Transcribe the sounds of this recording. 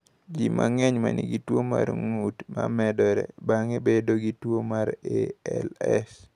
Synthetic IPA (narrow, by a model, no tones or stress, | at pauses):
d͡ʒimʔaŋɛɲmaniɡitwomaɾŋutmamɛdɔɾɛbaŋebedoɡitwomaɾeɛlɛs